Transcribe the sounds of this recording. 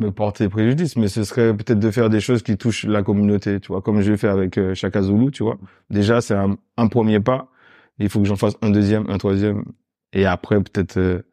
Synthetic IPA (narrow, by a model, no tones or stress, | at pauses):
məpɔʁt̪ʰepχeʒyd̪ismɛsəsəχɛpøt̪ɛt̪χd̪əfɛʁd̪eʃozkʲit̪uʃlakɔmynot̪et̪yvwakɔmʒəvefɛʁavɛkøʃakazolut̪yvwa̰ | d̪eʒasɛɛ̃ | ɛ̃pχəmjepa | ilfokəʒɑ̃fasɛ̃d̪øzjɛmʔɛ̰̃t̪χwazjɛm | eapχɛpø̥t̪ɛt̪χø